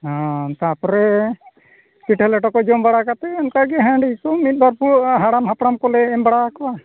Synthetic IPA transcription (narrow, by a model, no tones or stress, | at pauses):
ɦãt̪apɔɾɛ | kiʈɛlɛʈɔkɔd͡ʒɔmbaɽakat̪ɛɔnkaɡɛɦãɳɖijkɔmit̪̚baɾpuɦaɽamɦapɽamkɔlɛːmbaɽakɔba